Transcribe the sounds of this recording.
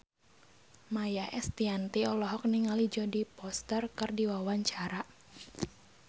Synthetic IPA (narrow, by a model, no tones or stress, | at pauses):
majaʔɛst̪iant̪iɔlɔɦɔk̚niŋalid͡ʒɔdipɔst̪ərkɨrdiwawaɲt͡ʃaɾa